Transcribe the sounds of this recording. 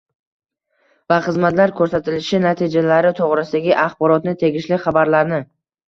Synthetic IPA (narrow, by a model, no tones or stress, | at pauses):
vaχɨzmat̪laɾkʰɵɾsat̪ʰɪlɪʃɪnat̪ʰid͡ʒalaɾɪt̪ʰoʁɾɪsɪd̪aɡʲɪʔaχbɒɾɒt̪nɪt̪ʰe̞ɡʲɪʃlɪχabaɾlaɾnɪ